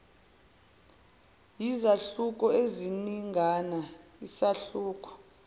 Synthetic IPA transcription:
jizaɬuk̬ʼɔeziniŋɡʱanaisaɬuːk̬ʼɔ̥

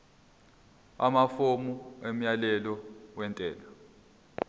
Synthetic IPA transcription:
a̰mafomuem̩jalɛlɔwɛntʼɛːla

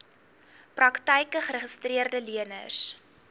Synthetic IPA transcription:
prɐktəjkəχəɾəχəstriərdəliənə̰s

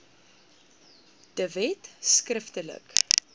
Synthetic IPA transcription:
d̥əvɛtskrəftələ̰k

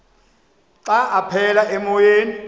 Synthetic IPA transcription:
ǀaʔapʰɛlaɛmɔjeːni

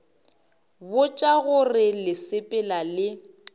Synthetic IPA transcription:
bʊt͡ʃʼaɣʊrɪlɪsɪpʼɪlalɪ

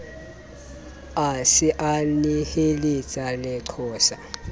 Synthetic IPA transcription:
asiʔanihelit͡sʼalɛǀʰɔːsa

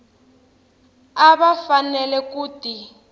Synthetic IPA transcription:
aβafanɛlɛkuːti

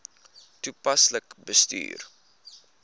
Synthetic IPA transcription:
tupɐsləkbəsty̰ːr

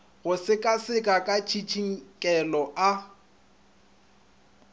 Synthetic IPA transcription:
ɣʊsɪkʼasɪkʼakʼat͡ʃʰit͡ʃʰiŋ̩kʼɛlɔʔa

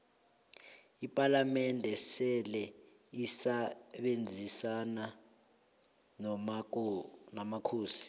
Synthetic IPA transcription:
ipʼalamɛndʱɛsɛlɛ | isaɓend͡zʱisana | nɔma | namakʰuːsi̥

